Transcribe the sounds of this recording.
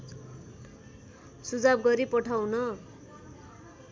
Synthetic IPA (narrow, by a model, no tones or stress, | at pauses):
sud͡zab̚ɡʌɾipʌʈʰawnʌ